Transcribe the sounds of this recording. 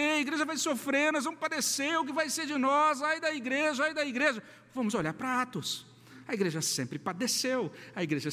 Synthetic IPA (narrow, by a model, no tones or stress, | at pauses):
eɐiɡɾeʒɐvajsofɾeɾnɔzvɐ̃mʊpad̪eseɾʊk̬ɪvajseɾd͡ʒɪnɔzajd̪ɐiɡɾeʒɐajd̪ɐiɡɾeʒɐ | vɐ̃mʊzoʎaɾpɾɐat̪ʊs | ɐiɡɾeʒɐsḛ̃mpɾɪpad̪esewɐiɡɾeʒɐ